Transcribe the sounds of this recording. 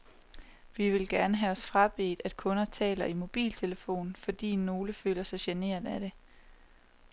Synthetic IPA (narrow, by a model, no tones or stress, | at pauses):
ʋiʋe̝lɡ̥æɐnəɦæɒ̽sfʁɑ̈b̥e̝̰ːd̥æd̥̚kʰɔ̽nɐt͡sʰɛ̰ːlɐimo̝b̥ḭːlt͡sʰe̝ləfo̝̰ːnn̩fɒ̽d̥ḭːno̝ːləfø̰ːlɐsɑ̈ɪɕene̝̰ːɐ̰d̥æd̥e̝